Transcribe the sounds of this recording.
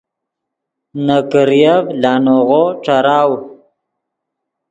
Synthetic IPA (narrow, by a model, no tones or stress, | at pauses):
nakəɾjavlɑːnoɣoʈ͡ʂaɾɑːw